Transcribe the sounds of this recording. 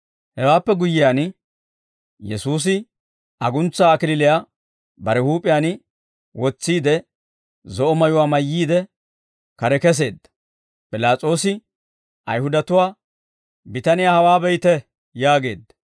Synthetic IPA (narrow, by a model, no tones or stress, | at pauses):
hɛwaːpːɛɡʊjːɪjaːn | jɛ̰suːs̬ɪ | ɐɡʊnt͡sːaːkɪlɪlɪjaː | bɐɾɛhuːpʼɪjaːn | wɔt͡sːiːd̪ɛ | zɔʔɔmɐjʊwaːmɐjːiːd̪ɛ | kɐɾɛkɛs̬e̞ːd̪ːɐ̥ | pʼɪlaːt͡sʼo̞ːsɪ | ʔɐ̰jhʊd̪ɐt̪ʊwaː | bɪt̪ɐnɪjaːhɐwaːbɛjt̪ɛ | jaːɡe̞ːd̪ːɐ̥